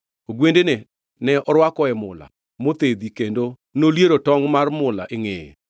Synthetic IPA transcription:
oɡwendenɛ | nɛʔɔɾwakɔɛmʊ̰la̰ | mot̪ed̪ikendo | noljeɾotɔŋmarmʊla̰ʔɪŋḛ

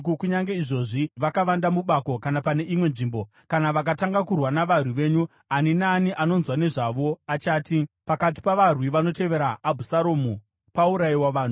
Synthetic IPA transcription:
kukuɲaŋɡe̞iʐo̞ʐiʋakaʋandamuɓako̞kanapane̞ʔimwe̞nʐiːmbo̞ | kanaʋak̬ataŋɡakurwanaʋarwiʋe̞ːɲu | aninaːniʔano̞nzwane̞ʐaʋo̞at͡ʃaːtipakat̬i̥paʋarwiʋano̞te̞ʋe̞ɾaːbʱusaɾoːmu | pauɾaiwaʋaːn̤u

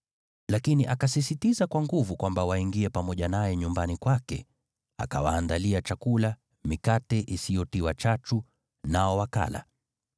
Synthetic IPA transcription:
lakiniʔakasisitizakwaŋɡuvukwambawaiŋɡiɛpamɔʄanajɛɲumbanikwakɛ̰ | a̰ka̰waːndaliat͡ʃakula | mikatɛʔisijɔtiwat͡ʃat͡ʃu | naɔwaka̰la̰

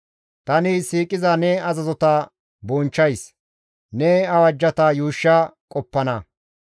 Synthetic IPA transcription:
t̪ɐnɪsiːkʼɪzɐnɛɐzɐzɔt̪ɐ | bɔnt͡ʃːɐjs | nɛɐwɐd͡ʒːɐt̪ɐjuːʃːɐkʼɔpːɐnɐ

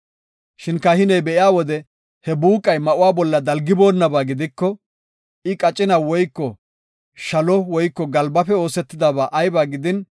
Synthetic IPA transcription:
ʃɪnkɐhɪnɛjbɛʔɪaːwɔd̪ɛ | hɛbuːkʼːɐjmɐʔʊwaːbɔlːɐd̪ɐlɡɪbo̞ːnːɐbaːɡɪd̪ɪkːɔ | ɪkʼɐt͡ʃʼɪnawɔjkːɔ | ʃɐlɔwɔjkːɔɡɐlbɐpɛo̞ːsɛt̪ːɪd̪abaːʔɐjbaːɡɪd̪ɪn

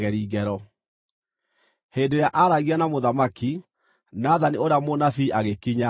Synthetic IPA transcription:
ɣɛɾiːɣɛɾɔ | heːndojaʔaɾaɣianamoðamaki | naðanioɾamonafiʔaɣekiɲa

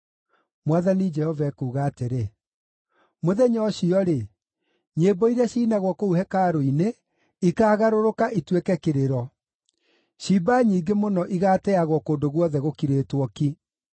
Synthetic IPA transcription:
mwaðanid͡ʒɛhɔvaɛkuːɣaːteɾe | moðɛɲɔɕiɔɾe | ɲeːbɔiɾɛɕiːnaɣwɔkouhɛkaɾoine | ikaːɣaɾoɾokaʔitwekɛkeɾeɾɔ | ʃibaɲiːɡemonɔʔiɣaːtɛaɣwɔkoːndoɣwɔðɛɣokiɾeːtwɔki

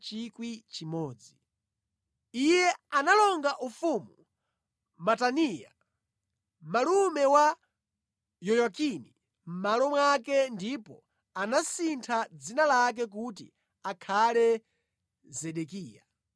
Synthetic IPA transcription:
t͡ʃikwit͡ʃimɔːd͡zi | ijɛanalɔŋɡaʔufumu | mataniːja̰ | malumɛwa | jɔjakini | m̩malɔmwakɛndipɔ | anasintʰad͡zinalak̬ɛk̬ut̬i | akʰalɛ | zɛɗɛkiːja̰

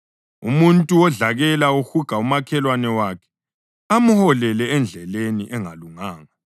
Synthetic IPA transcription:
umuntʼuwɔɮaɣɛlauxuɡ̥ʱaumakʰɛlwanɛwaːkʰɛ̥ | amuhɔlɛlɛɛnd͡ɮʱɛleniʔɛŋaluŋaːŋa

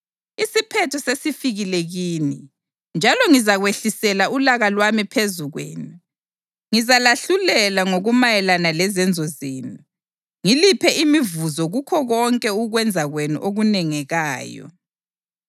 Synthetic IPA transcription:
isipʰɛtʰɔsesifiɣileɣiːni | nd͡ʒʱalɔŋizaɣweɬisɛlaulaɣalwamipʰezuɣwḛːnu | ŋizalaɬulɛlaŋoɣumajɛlanalɛzɛnd͡zʱɔzeːnu | ŋilipʰɛʔimivuzɔɣukʰɔɣɔŋkʼɛuɣwɛnd͡zʱaɣwenṵʔoɣunɛŋɛɣaːjɔ̰

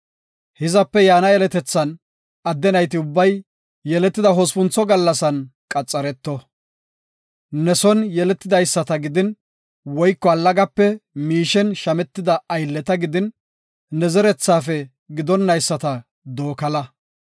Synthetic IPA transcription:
hɪzɐpːɛjaːnɐɛlɛt̪ɛt͡sːɐn | ɐd̪ːɛnɐjt̪ɪʊbːɐj | jɛlɛt̪ːɪd̪ɐɦɔspʊnt͡sːɔɡɐlːɐsɐnkʼɐt͡sʼːɐɾɛt̪ːɔ | nɛsɔnjɛlɛt̪ːɪd̪ɐjsːɐt̪ɐɡɪd̪ɪn | wɔjkːɔɐlːɐɡɐpːɛmiːʃɛnʃɐmɛt̪ːɪd̪ɐɐjlːɛt̪ɐɡɪd̪ɪnː | ɛzɛɾɛt͡sːaːfɛ | ɡɪd̪ɔnːɐjsːɐt̪ɐ | d̪oːkɐlɐ

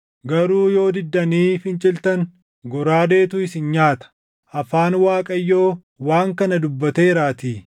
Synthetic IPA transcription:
ɡɐɾuːjo̞ːd̪ɪd̪ːɐniːfɪnt͡ʃʼɪlt̪ɐŋ | ɡɔɾaːd̪e̞ːt̪ʊɪsɪnɲaːt̪ɐ̥ | ʔɐfaːnwaːkʼɐjːo̞ː | waːŋkɐnɐd̪ʊbːɐt̪eːɪɾaːt̪iː

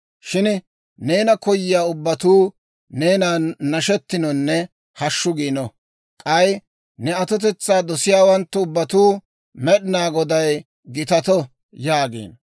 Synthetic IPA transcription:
ʃɪn | ne̞ːnɐkɔjːɪjaːʊbːɐt̪uː | ne̞ːnaːnɐʃɛt̪ːɪnɔnːɛ | hɐʃːʊɡiːnɔ | kʼɐj | nɛɐt̪ɔt̪ɛt͡sːaːd̪ɔsɪjaːwɐnt̪ːɛʊbːɐt̪uː | mɛɗɪnaːɡɔd̪ɐj | ɡɪt̪ɐt̪ɔ | jaːɡḭːn

